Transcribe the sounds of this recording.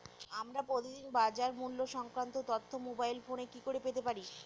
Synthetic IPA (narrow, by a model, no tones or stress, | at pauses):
amɾapɾot̪id̪inbad͡ʑaɾmulːoʃɔŋkɾant̪ot̪ot̪ʰːomobajlfonekikoɾepet̪epaɾi